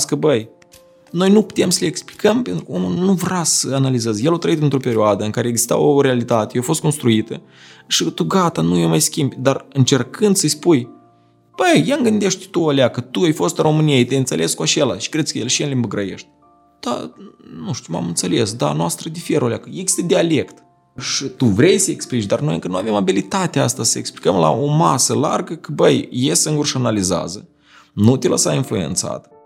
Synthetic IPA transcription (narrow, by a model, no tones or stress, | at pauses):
skəbəj | no̞jnupu̥t̪e̞msəleeksplikəmpent̪ɾukəwomulnuvɾasəanalizezjelawt̪ɾəit̪ɨnt̪ɾo̞pe̞ɾʲioad̪əɨŋkaɾeeɡzist̪a̰woɾe̞alit̪at̪ejeowafo̞st̪ko̞nst̪ɾuit̪ə | ʃit̪uɡat̪anujomajskʲimbʲd̪arɨnt͡ʃe̞rkɨnd̪səsʲpuj | b̥əjjaŋɡɨnd̪e̞ʃt̪ʲt̪uolʲeakət̪uajfo̞st̪ɾo̞mɨniet̪ʲejɨnt̪selʔe̞skuat͡ʃe̞la̰ʃi̥kɾesʲkəjelʃienlʲimbəɡɾaje̞̰ʃt̪ʲ | d̪̥a̰nuʃt̪uma̰mɨnsele̞sd̪a̰noast̪ɾəd̪ifeɾoleakəjeɡi̥st̪əd̪ʲeale̞kt̪ | ʃit̪uvɾe̞jsəeksplit͡ʃd̪arno̞jɨŋkənuave̞mabilit̪at̪east̪asəjekspli̥kəmla̰ʔomasəla̰rɡəkəbəjjesɨŋɡurʃianaliza̰zə | nut̪ʲelə̰sainflue̞̰nt̪sa̰t̪